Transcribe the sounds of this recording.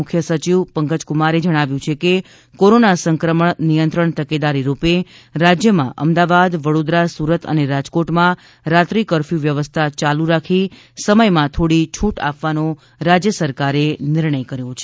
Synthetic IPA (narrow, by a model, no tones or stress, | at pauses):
ʊkʰjəsət͡ʃiʋpəŋkəd͡ʒkumaɾed͡ʒəɽ̃aʋjũt͡ʃʰeke | koɾonasəŋkɾəməɳnijənt̪ɾəɳt̪əked̪aɾiɾupe | ɾad͡ʒjəmã̰ʔəmd̪aʋad̪ʋəɽod̪ɾasuɾət̪ʰə̰neɾad͡ʒkoʈmã | ɾat̪ɾikəɾfjuʋjəʋəst̪ʰat͡ʃaluɾakʰi | səməjmãt̪ʰoɽit͡ʃʰuʈa̰pʋano | ɾad͡ʒjəsəɾkaɾenɪɾɳəjkəɾjot͡ʃʰe